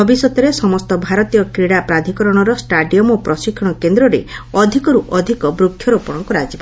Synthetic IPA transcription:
bʱɔbisɔt̪ɔɾesɔmɔst̪ɔbʱaɾɔt̪ijɔkɾiɽapɾad̪ʱikɔɾɔɽ̃ɔɾɔsʈaɖijɔmopɾɔsikʰːɔɽ̃ɔkend̪ɾɔɾḛɔd̪ʱikɔɾuʔɔd̪ʱikɔbɾukʰːjɔɾopɔɽ̃ɔŋkuɾad͡ʒibɔ

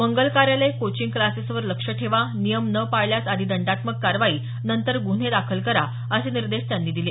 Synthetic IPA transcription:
məŋɡəlkaɾjalekot͡ɕiŋɡklasisʋəɾləkʂəʈʰeʋanijəmnəpajljat͡sad̪ʱiːd̪əɳɖat̪məkːaɾʋaiː | nənt̪əɾɡun̤ed̪akʰəlkəɾa | əseniɾd̪eʂt̪janːiːd̪ile

